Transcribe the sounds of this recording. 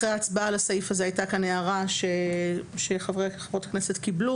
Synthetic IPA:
ʁeaːt͡sbaalasaifazeajtakaneaʁaʃeʃeχavʁeχavʁo̞taknese̞t̪kiblu

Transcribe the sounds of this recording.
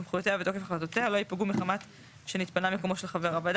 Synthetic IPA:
mχujot̪eavet̪o̞kefaχalat̪ot̪ealo̞ipaɡumiχamat | ʃenit̪panamikomoʃelχaveʁavald̪

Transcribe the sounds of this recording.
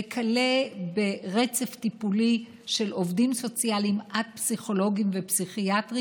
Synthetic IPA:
ekʰalebeʁet͡se̞ft̪ipuli | ʃe̞lo̞vdimso̞t͡sialimʔad̚psiχo̞lo̞ɡimvepsiχiatʁi

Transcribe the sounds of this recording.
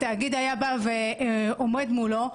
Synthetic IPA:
t̪aːɡid̪ajabaveomed̪mulo

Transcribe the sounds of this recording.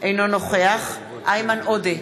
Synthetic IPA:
ʔejnonoχeaχ | ʔajmanod̪e

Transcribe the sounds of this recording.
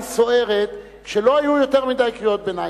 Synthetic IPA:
so̞e̞ʁet̪ | kʃelo̞ajujo̞teʁmidajkʁijot̪̚bena

